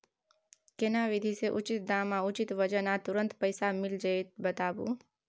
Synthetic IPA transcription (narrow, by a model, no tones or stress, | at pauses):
kenaʋid̪ʱiseʔʊt͡ʃɪt̪̚d̪amãʊt͡ʃit̪ʋəd͡ʒənat̪ʊɾə̃nt̪pəjsamɪld͡ʒəet̪̚bət̪aːbṵ